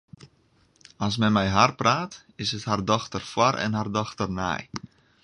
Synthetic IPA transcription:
ɔs̬mɛnmɛjɦarpraːt | ɪshəthardɔxtərfwaɾʔɛ̰nɦardɔxtərnɛ̰j

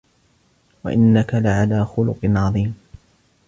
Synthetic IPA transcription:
wa̰ʔɪnːakalɪʕalaːxʊlʊqɨnʕɑðˤiːm

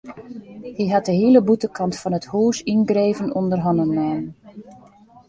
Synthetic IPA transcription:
hiɦat̚dəɦiləbutəkʰɑntfɔnəthuːsinɡreːvənɔndərɦɔnənmaːn

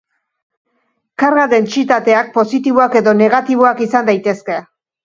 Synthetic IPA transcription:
kaɾɣaðe̞nt͡sit̪at̪e̞ak̚po̞sit̪iβ̞oake̞ðo̞ne̞ɣat̪iβ̞o̞akisand̪ajt̪e̞ske̞

